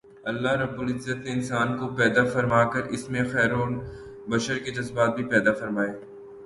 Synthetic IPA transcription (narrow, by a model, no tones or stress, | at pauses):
ɐlːaɦɾɐbːʊlɪzːət̪neɪnsaːnkopɛːd̪afɐɾmaːkəɾɪsmẽxɛːɾoːn | bɐʃəɾked͡ʒɐzbaːt̪̚bʱipɛːd̪afɐɾmaːeː